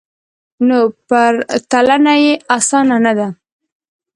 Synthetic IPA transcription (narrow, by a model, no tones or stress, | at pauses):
nopəɾt̪alanajeasɑnanad̪a